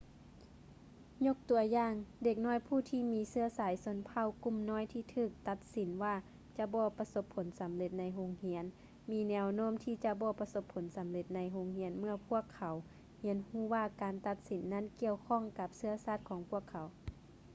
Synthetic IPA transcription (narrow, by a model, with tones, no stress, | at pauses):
ɲo˧˥k̚t̪u˨˩ɐjaː˧˨ŋde˧˩k̚nɔː˥˨jpʰuː˧˩t̪ʰiː˧˩miː˧˥sɯ˧ɐsaː˨˦jso˧˦npʰa˧˩˨wku˧˥˨mnɔː˧˥˨jt̪ʰiː˧˩t̪ʰɯː˧˩k̚t̪a˧t̪̚si˨˦nwaː˧˩ | t͡ɕa˧˦bɔː˧pa˧so˧˥pʰːo˨˦nsa˨˦mle˧˦t̪̚na˧jɦo˧ŋhi˧˥ən | miː˧˥nɛː˧wnoː˧˥˨mt̪ʰiː˧˩t͡ɕa˧bɔː˧pa˧so˧˥pʰːo˨˦nsa˨˦mle˧t̪̚na˧jɦoː˧ŋhi˧˥ənmɯ˧˩ɐpʰu˧˥˩əkʰːa˨˦w | hi˧˦ənhuː˧˩waː˧˩kaː˨nt̪a˧t̪̚si˨˩˦nːa˧˥˨nki˧əwkʰɔː˧˥˨ŋka˧˦p̚sɯ˧ɐsaː˧˩t̪̚kʰɔː˨˦ŋpʰu˧˥˩əkʰːa˨˦w